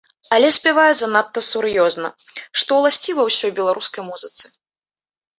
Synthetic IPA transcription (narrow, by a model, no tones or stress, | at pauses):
alʲɛsʲpʲɛvajɛzanat̪ːɐsuɾjɔznɐ̰ʂt̪ɔwlˠasʲt͡sʲivɐwsʲɔjbʲɛlˠaɾuskɐjmuzɨt̪sɨ̥